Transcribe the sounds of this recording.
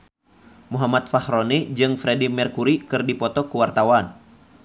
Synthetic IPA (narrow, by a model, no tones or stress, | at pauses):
muɦamat̪̚fahɾɔnid͡ʒɨŋfɾɛdimɛrkuɾikɨrdipɔt̪ɔkuwart̪awan